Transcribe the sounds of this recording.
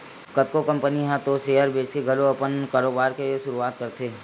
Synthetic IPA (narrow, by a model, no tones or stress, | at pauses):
kɐt̪̚kokɐ̃mpəniɦɛ̃t̪oseːəɾbeːt͡ʃkeɡʱɐloɐpənkaːɾoːbaːɾkeʃʊɾuaːt̪̚kɐɾt̪ʰeː